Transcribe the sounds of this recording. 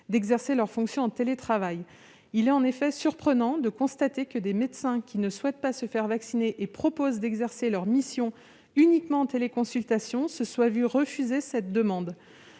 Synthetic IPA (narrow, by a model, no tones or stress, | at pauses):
d̪ɛɡzɛʁselœʁfɔ̃ksjɔ̃ɑ̃t̪elet̪χavaj | ilɛt̪ɑ̃nefɛsyʁpχənɑ̃d̪əkɔ̃st̪at̪ekəd̪emet̪sɛ̃kʲʰinəswɛt̪̚pasəfɛʁvaksineʔepχɔpozd̪ɛɡzɛʁselœʁmisjɔ̃ | ynikmɑ̃ɑ̃t̪elekɔ̃sylt̪asjɔ̃səswavyʁəfyzesɛt̪̚d̪əmɑ̃d̪